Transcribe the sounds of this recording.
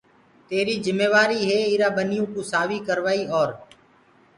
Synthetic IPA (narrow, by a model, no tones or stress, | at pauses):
t̪eːɾiːzɪmeːʋaːɾiːɦeːiːɾaːɓənɪjũːkũːsaːʋiːkəɾʋaːiːoːɾ